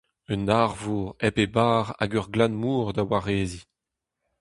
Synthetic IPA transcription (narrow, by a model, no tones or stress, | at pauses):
ənaʁvuːʁɛpebaːʁa̰ɡœʁɡlãnmuːʁd̪awaʁeːzi